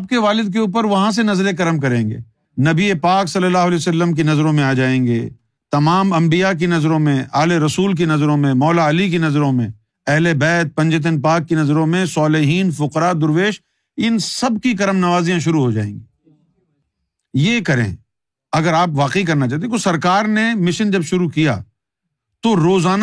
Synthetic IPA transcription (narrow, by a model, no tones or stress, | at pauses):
aːp̚keʋaːlɪd̪̚k̬euːp̬əɾʋɐɦãs̬enɐzɾekɐɾəmk̬ɐɾẽːŋɡḛː | nɐbiepaːksɐlːəlːaːɦʊɐlɛːsɐlːəmk̬inɐzɾõmẽaːd͡ʒaːẽːŋɡḛː | t̪ɐmaːmɐ̃mbijak̬inɐzɾõmẽʔaːleɾɐsuːlk̬inɐzɾõmẽmɔːlaɐlik̬inɐzɾõmẽ | ɛɦlebɛːt̪̚pɐ̃ɲd͡ʒet̪̬ənp̬aːkːinɐzɾõmẽsaːlɪɦiːnfʊqɾad̪ʊɾʋeːʃ | ɪnsɐbkikɐɾəmnɐʋaːzijãʃ̬ʊɾuɦod͡ʒa̰ːḛ̃ːŋɡiː | jekɐɾḛ̃ː | ɐɡəɾaːpʋaːqekɐɾnat͡ʃaːɦt̪iẽt̪osɐɾkaːɾnemɪʃənd͡ʒɐbʃʊɾukija̰ː | t̪oɾoːzaːn